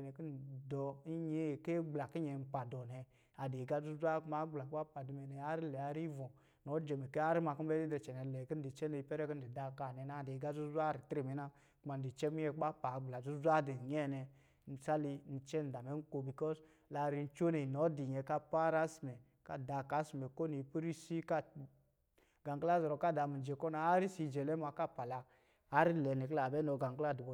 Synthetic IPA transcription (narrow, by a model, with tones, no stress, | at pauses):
nɛ˨ki˦n̩˨dɔ˧i˦ɲe˨˦˨ke˦ɡ͡bla˨ki˦ɲɛ˨m̩˦pa˨dɔ˨nɛ˧ | a˨de˨ɡa˦zu˦zʷa˦ku˦ma˨˦ɡ͡bla˨ka˦pa˨di˨mɛ˨nɛ˨a˦ɾi˦lɛ˨a˧ɾi˦vɔ˨ | nɔ˨˦d͡ʒɛ˨mɛ˨ke˦a˦ɾi˦ma˧ki˦m̩˦ɛ˦i˦dɛ˧t͡ʃɛ˨nɛ˨lɛ˨ki˦n̩˦di˨t͡ʃɛ˦ne˧i˧˦pɛ˦ɾɛ˦ki˦n̩˦di˨da˧˦ka˨nɛ˨na˦˨de˨ɡa˦zu˦zʷa˦˨ɾi˨tɾe˨mɛ˨na˦ | ku˦ma˨n˨di˨t͡ʃɛ˦mi˦ɛ˧ka˦pa˨ɡ͡bla˨zu˦zʷa˦de˨n˨ɲɛ˦nɛ˧ | n̩˨sa˦li˧n̩˨t͡ʃɛ˦n̩˨da˨mɛ˨˦ŋ̩˦ko˧bi˨kɔ˦s | la˨˧ɾi˧n̩˦t͡ʃo˦ne˨i˨nɔ˨˦di˨ɲɛ˧ka˦pa˦ɾa˦si˨mɛ˨ | ka˦da˧ka˦si˨mɛ˨ko˦ni˨pi˦ɾi˦si˦ka˦ | ɡa˨ŋkla˦zɔ˨ɾɔ˨ka˦˨da˨mi˨n˨d͡ʒe˨kɔ˦na˧a˦ɾi˦si˧d͡ʒɛ˨lɛ˦ma˧ka˦˨pa˨laː˨˦ | ɾi˦lɛ˨ne˨kə˦la˨bɛ˦no˧ɡa˨ŋkla˦˨du˨bo˨